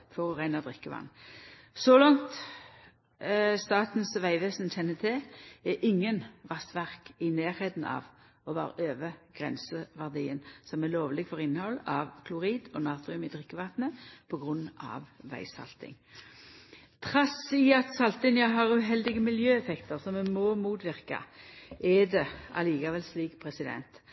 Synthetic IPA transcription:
fɔʁɔʁæɪnɑd̪ʁɪkːəʋɑ̰nː | sɔlɔŋt̪ | st̪ɑːt̪n̩sʋæɪʋeːsnçɛnːət̪ʰɪɛʔɪŋːənʋɑst̪ʋæʁkɪneːʁhɛːd̪n̩ɑ̰ːʋ | ɔʋɑ̰ːʁøːʋəɡ̥ʁɛ̰nsəʋæʁd̪iːənsɔmɛloːʋlɪɡfɔʁɪnːəhɔlːɑʋkʰlʊʁiːd̪ɔnɑːt̪ʁɪʉmɪd̪ʁɪkːəʋɑt̪nəpʰɔɡʁʉnːɑ̰ʋʋæ̰ɪsɑ̰lt̪ɪ̰ŋ | t̪ʰʁɑsiɑt̪sɑlt̪ɪnɪjɑɦɑʁʉːɦɛld̪ɪɡəmɪljøːɛfɛkt̪əʁsɔmɛmɔːmuːt̪ʋɪʁkɑ̰ʔɛd̪ɛʔɑ̰liːkɑʋɛlsliːkpʰʁɛsɪd̪ɛ̰nt̪

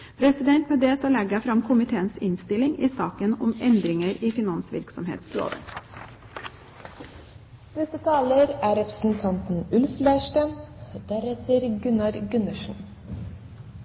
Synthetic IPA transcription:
pʰɾɛsɪd̪ɛnt̪meːd̪eːsɑlɛɡəfɾɑmkʰʊmɪt̪ʰeːənsɪnst̪ɪlɪŋiːsɑːkənɔmɛnd̪ɾɪŋəɾiːfɪnɑnsʋɪ̰ɾksɔmɦḛːt̪sɾo̰ːd̪ə̰ | nɛst̪ət̪ʰɑːləɾæːɾɛpɾə̥sn̩t̪ʰɑnt̪n̩ʉlflæɪʂʈænd̪æɾɛt̪ʰəɾɡʉnɑɾɡʉnəʂn̩

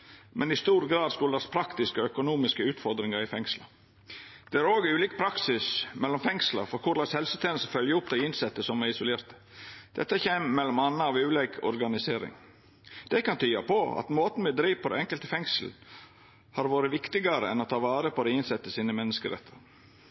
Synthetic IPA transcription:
mʔɛnɪst̪uːɾɡɾɑːd̪skʊlɑspʰɾɑkt̪ɪskəœkʊnuːmɪskəʉːt̪fɔɾd̪ɾɪŋɑɾɪfɛŋslɑ | d̪̥ɛæɾoːɡʉːliːkpʰɾɑksɪsmɛlːɔmfɛŋslɑ̰ɾfɔɾkʰʊɾlɑshɛlsət̪ʰɛːn̩st̪əfœljəʊp̚d̪ɛɪɪnsɛt̪ːəsɔmæɪsʊleːɾt̪ə | d̪̥ɛ̰t̪ːəçeːmmɛlːɔmɑnːəɑʋʉːlɛkʰɔ̰ɾɡɑnɪseːɾɪ̰ŋ | d̪̥ɛkɑnt̪ʰyːɑpʰɔɑ̰t̪moːt̪n̩mɛd̪ɾiːʋpʰɔd̪ɛ̰ɛŋkəlt̪əfɛŋsl̩ | hɑɾʋoːɾəʋɪkt̪ɪɡɑɾə̰ɛnɔt̪ʰɑːʋɑːɾəpʰɔd̪ɛɪnsɛt̪ːəsiːnəmɛnːəskəɾɛ̰t̪ʰːəɾ

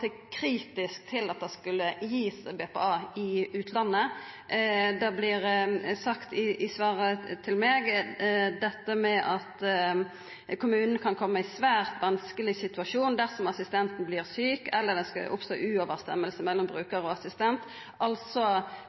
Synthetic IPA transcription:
t̪əkʰɾiːt̪ɪsk̚t̪ʰɪlɑt̪̚d̪ɛskʉlːəjiːsbepɛ̰ɑːɪʉːt̪ʰlɑnːə | d̪ɛblɪʁsɑkt̪ɪʔɪsʋɑːʁət̪ʰɪlmɛːɡ | d̪ɛt̪ːəmɛʔɑt̪ | kʰʊmʉːnənkʰɑnkʰɔmːəɪsʋæːʁt̪ʋɑnskəlɪsɪt̪ʉɑʂuːnd̪æʁsɔmɑsɪst̪ɛnt̪n̩bliːʁsyːkɛlːəʁd̪ɛskɑ̰ʔʊ̰pst̪o̰ːʔʉːoʋəʁst̪ɛ̰mːəlsəmɛlːɔmbʁʉːkəɾɔɑsɪst̪ɛnt̪ | ʔɑlsɔ

